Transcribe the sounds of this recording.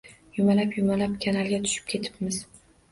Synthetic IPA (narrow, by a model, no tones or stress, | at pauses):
jʊmalapjʊmalapkʲʰanalɡʲat̪ʰʊ̥ʃɪp̚kʲʰe̞t̪ʰɪ̥pmɪz